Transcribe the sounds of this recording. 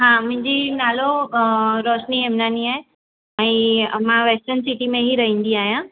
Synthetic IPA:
ɦãːmʊ̃ɦɪ̃ɲd͡ʑinaːlo | ɾoːʃniɦemnaːniaːɦe | ɛ̃mãʋeːsʈənsiʈimẽɦiɾɐɦĩːn̆d̪iaːɦijã

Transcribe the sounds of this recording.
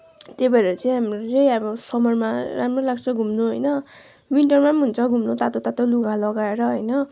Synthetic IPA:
t̪ebʌɾet͡sʌĩɦamrot͡sʌĩʌbʌsʌmʌjmaɾamrolaɡt͡sʰʌɡʱumnuɦʌjnʌ | wiɳʈʌrmamɦunt͡sʰʌɡʱumnut̪at̪ot̪at̪oluɡʱalʌɡaeɾʌɦʌjnʌ

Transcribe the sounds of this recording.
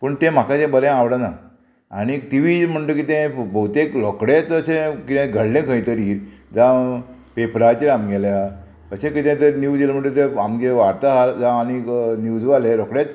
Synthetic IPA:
pəɳt̪ɛ̃m̤akat̪ɛ̃bəɾɛ̃aʋɽana | aɽ̃it̪iʋim̤əɳt̪əkit̪ɛ̃bʱəut̪eklɔkɽet͡səɕẽkit̪ɛ̃ɡʱəɽlẽkʰə̃jt̪əɾiːɾd͡zã | pepɾat͡ɕiɾamɡɛlja | əsẽkit̪ɛ̃t̪əɾnjud͡zɡelam̤əɳʈ̪ət̪ɛ̃amɡeʋaɽt̪aɦaɾd͡zaːñinjud͡zʋaleɾɔkɽet͡s

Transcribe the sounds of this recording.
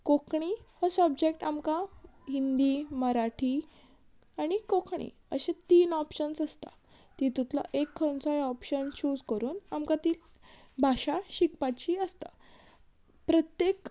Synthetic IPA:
kokʰɳ̃ihɔsəbd͡ʑekʈamkaɦind̪iməɾaʈʰi | aɽ̃ikokʰɳ̃ḭ | ə̰ɕẽt̪iːnɔpɕənsəst̪a̰ | t̪it̪ut̪la̰ʔekʰːənt͡sajɔpɕənt͡ɕuːd͡zkəɾuːnamkat̪iːl | bʱaɕaɕikpat͡ɕiəst̪a̰ | pɾət̪jek

